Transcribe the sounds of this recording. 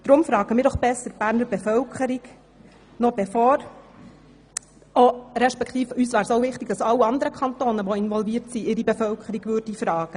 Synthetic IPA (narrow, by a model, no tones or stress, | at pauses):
d̥ɾʊmfɾɑːɡ̥əmɪːɾdɔχb̥ɛsːəɾb̥æːɾnəɾbefœwkχəɾiɡ | nɔb̥efɔːɾ | oɾɛʃpɛkʰt̪iːfyːsʋæːɾsoʊvɪχt̪ɪɡ̥d̥ɑsɑlːiɑnd̪əɾəkʰɑnt̪oːnəʋɔɪnʋɔlviːtsiʔɪɾibɛfœlkʰəɾiɡ̥ʋʏɾd̥ifɾɑːɡ̥ə